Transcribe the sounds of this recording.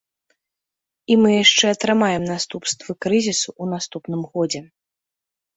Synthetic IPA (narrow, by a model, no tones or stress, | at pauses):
imɨjaʂt͡ʂɛɐt̪ɾɨmajɛmnast̪upst̪vɨkɾɨzʲisuʔunast̪upn̪ɨmɣɔd͡zʲɛ